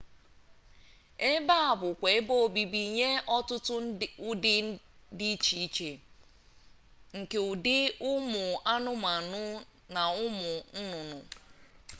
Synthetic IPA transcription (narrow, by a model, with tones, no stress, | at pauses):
e˦ba˦a˨bʊ˨kʷe˨e˦bo˦˨bi˨bi˨ɲe˦ʔɔ˦tʊ˦tʊ˦ʊ˦dɪ˦ | dɪ˦i˦t͡ʃi˨i˦t͡ʃe˨ | ŋ̩˨ke˨ʊ˨dɪ˦ʊ˦mʊ˨a˦nʊ˦ma˨nʊ˦ | na˨ʊ˦mʊ˨n̩˦nʊ˨nʊ˨